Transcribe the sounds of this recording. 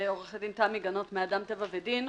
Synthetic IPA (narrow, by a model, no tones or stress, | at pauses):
oʁeχedimt̪amiɡano̞tmeadamt̪evavedin